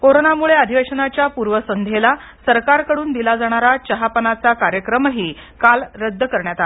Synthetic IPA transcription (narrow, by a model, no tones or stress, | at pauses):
koɾonamuɭeəd̪ʱiʋeɕənat͡ɕjapuɾʋəsənd̪ʱela | səɾkaɾkəɽuːnd̪ilad͡zaɽ̃aɾat͡ɕəɦapənat͡sakaɾjəkɾəmɦiː | kalɾəd̪ʱːəkəɾɳjat̪a